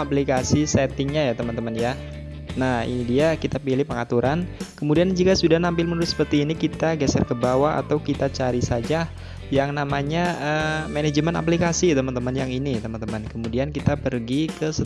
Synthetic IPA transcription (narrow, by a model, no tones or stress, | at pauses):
aplikasisɛt̪ɪŋɲajat̪əmənt̪əmənja | nahidiakit̪apilɪhpəŋat̪uɾʔankəmudiand͡ʒukasudahnampɪlməunuɾʊt̪̚sə̥pərt̪iːnikit̪aɡɛsərkəbawaa̰t̪awkit̪at͡ʃaɾisad͡ʒa | jaŋnamaɲaʔəmened͡ʒəməna̰p̬likasit̪əmənt̪əmənjaŋinit̪əmə̃nt̪əmənkəmudiankit̪apərɡikəsə